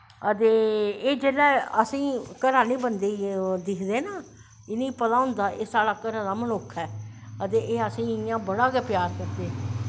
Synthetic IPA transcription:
ət̪eːeːd͡ʒeːlɛːəsĩːkəɾaːneːbənd̪eːid̪ɪkʰd̪eːnaː | ɪnĩːpəlaːɦʊ̃nd̪aːʔeːsaːɽaːkəɾãːd̪aːmənʊkʰɛːət̪eːʔeːəsĩːɪɪjãːbəɽaːkɛːpɪjaːɾkəɾd̪eː

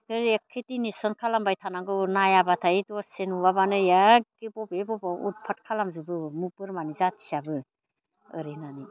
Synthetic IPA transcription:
kɯɾekʰːetinisɔnkʰalambajtʰanaŋɡɯnajabatʰaitɔsenuβabanɯjaɡibɔbebɔbaṵt̚pʰat̚kʰalamzubɯmupɯɾmanizatʰi̥sabɯ | ɯɾenani

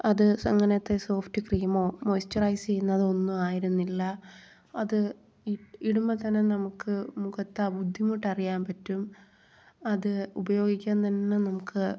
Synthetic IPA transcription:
ɐðɨsɐŋːɐnɐt̪ːeso̞ːftikrijɐmo̞ːmojstɐrɐjst͡ɕejunːɐðɨo̞nːumaːjiɾunːilːɐ | ɐðɨ | iiɽumːɐt̪ɐnːenɐmukːɨmukɐt̪ːɐbud̪ʱːimoʈːɐrijaːnpɐtːum | ɐðɨubɐjo̞ːɡikʲːaːnt̪ɐnːenɐmukːɨ

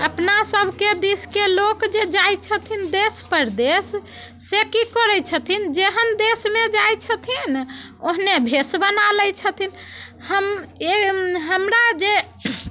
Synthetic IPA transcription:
əpnasəbʱked̪iskelokd͡ʒed͡ʒajt͡ʃʰət̪ʰind̪espəɾd̪esː | ekikəɾɛt͡ʃʰət̪ʰind͡ʒeɦənd̪esmed͡ʒajt͡ʃʰət̪ʰinoɦnebʱesbənalət͡ʃʰət̪ʰin | həmeɦəmɾad͡ʒe

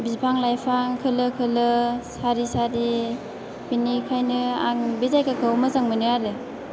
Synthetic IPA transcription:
bispʰaŋlajpʰaŋkʰɯlɯkʰɯlɯsaɾisaɾi | binikʰajnɯa̰ŋbezajkakʰɯwmazaŋmɯnɯaɾɯ

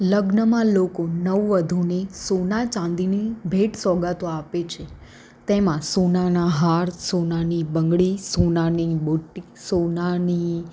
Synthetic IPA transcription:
ləɡnəmãlokonəʋʋəd̪ʱunisonat͡ʃãnd̪inibʱeʈsɔɡat̪oapet͡ʃʰe | t̪emãsonanaɦaɾsonanibəŋɡɭisonaniboʈːi | sonani

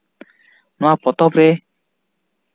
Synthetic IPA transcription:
napɔt̪ɔpɾe

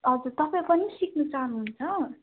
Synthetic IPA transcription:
ʌd͡zuɾt̪ʌpaĩpʌnisiknut͡saɦʌnuɦunt͡sʰʌ

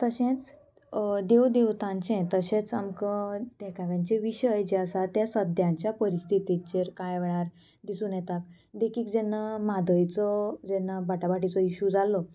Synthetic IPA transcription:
t̪əɕẽt͡s | d̪ewd̪eʋt̪ãɲt͡ɕɛ̃t̪əɕẽt͡sa̰mkəd̪ɛkʰaʋjãɲt͡ɕeʋiɕəjd͡ʑeəsat̪jasəd̪ʱjãɲt͡ɕjapəɾist̪ʰit̪it͡ɕeɾkajʋɭaɾ | d̪isuːnjɛt̪ak̚ | d̪ekiːkd͡zɛnːamad̪əjt͡sɔd͡zɛnːabaʈabaʈit͡sɔiɕud͡zalːɔ

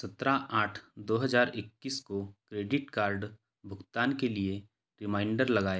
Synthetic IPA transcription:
sɐt̪ɾaʔaːʈʰd̪oːɦɐzaːɾɪkːiːskokɾeːɖɪʈkaːɾɖ | bʱʊɡt̪aːnkelie | ɾɪmãːɪ̃ɳɖəɾlɐɡaːeː

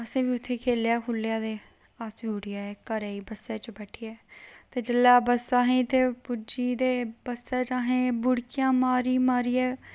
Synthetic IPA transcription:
əsẽːbiːʊt̪ʰːeːkʰeːljaːkʰʊlːjaːd̪eː | asʋiːʊɽijaːɛːkəɾɛːiːbəsːɛːt͡ʃbɛːʈʰiːɛːt̪eːd͡ʒəlːaːbəsaːɦẽːt̪eːpʊd͡ʒiːd̪eːbəsːɛːt͡ʃaːɦẽːbʊɽkɪjãːmaːɾiːmaːɾiːɛː

